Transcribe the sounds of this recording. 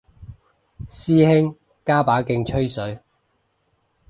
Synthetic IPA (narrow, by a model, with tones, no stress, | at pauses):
siː˥hɪ˥ŋ | kaː˥paː˨˥kɪ˧ŋt͡ʃʰɵ˥ɥsɵ˨˥ɥ